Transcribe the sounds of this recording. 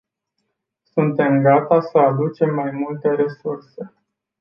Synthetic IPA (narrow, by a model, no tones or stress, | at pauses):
sunt̪e̞mɡat̪asəad̪ut͡ʃe̞mːajmult̪e̞ɾe̞surse̞